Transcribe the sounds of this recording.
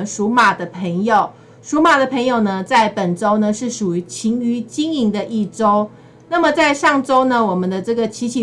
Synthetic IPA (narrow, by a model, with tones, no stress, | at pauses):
ʂu˧˥ma˨˩d̪ə˦pʰe˧˥ŋjo˨˩ʊ | ʂu˨˥ma˨˩d̪ə˦pʰə˧˥ŋjo˨˩ʊnə˦t͡sa˥˩ɪpə˨˩nʈ͡ʂo˥ʊnə˨ʂɻ̩˥˩ʂu˨˩y˧˥t͡ɕʰi˧˥ŋy˧˥t͡ɕi˥ŋi˧˥ŋd̪ə˧ʔi˥˩ʈ͡ʂo˥ʊ | na˥˩mə˨t͡sa˥˧ɪʂɑ˥˩ŋʈ͡ʂo˥ʊnə˨wɔ˨˩mə˨˦nd̪ə˦ʈ͡ʂɤ˥˩ɡə˨t͡ɕʰi˧˥t͡ɕʰi˨